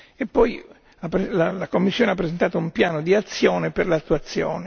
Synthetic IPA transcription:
epːɔj | apːɾelalakomːisːoːneapːɾezent̪aːt̪oumpjaːnod̪iat̪sːjoːneperlat̪ːuat̪sːjo̰ːne

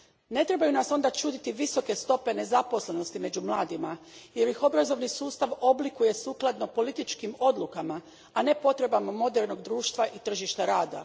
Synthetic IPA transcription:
ne̞t̪ɾe̞bajunaso̞nd̪at͡ʃuːd̪it̪iʋiso̞ke̞st̪o̞pe̞ne̞zapo̞sle̞no̞st̪ime̞d͡ʑumlˠaːd̪ima | je̞ɾjixo̞bɾazo̞ʋnisuːst̪aʋo̞blikuje̞suːklˠad̪no̞po̞lit̪it͡ʃkimo̞d̪lˠukama | ane̞po̞t̪ɾe̞bamamo̞d̪eɾno̞ɡd̪ɾuːʃt̪ʋaʔit̪r̩ʒiʃt̪aɾaːd̪a̰

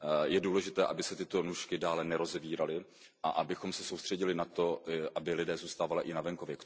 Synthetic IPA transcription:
jɛduːlɛʒɪt̪ɛːʔabɪsɛt̪ɪt̪o̞nuːʃkɪdaːlɛnɛɾo̞zɛviːɾalɪ | ʔaʔabɪxo̞msɛsowst̪r̥ɛɟɪlɪnat̪o̞ʔabɪlɪdɛːzuːst̪aːvalɪʔɪnavɛŋkovjɛk

